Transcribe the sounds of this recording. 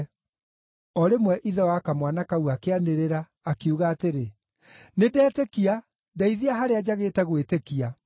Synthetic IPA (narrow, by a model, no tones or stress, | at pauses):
ɔɾemwɛʔiðɛwakamwanakauakeaneɾeɾaː | kiuɣaːteɾe | nedɛːtekia | daiðiaɦaɾead͡ʑaɣeːtɛɣwetekia